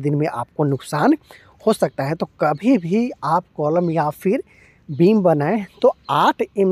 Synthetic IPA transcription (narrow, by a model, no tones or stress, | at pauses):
d̪ɪnmẽʔaːp̚konʊksaːn | hosɐk̚t̪aɦɛt̪okɐbʱibʱiaːpkɔːləmjafɪɾ | biːmbɐnaːẽt̪oaːʈʰɪm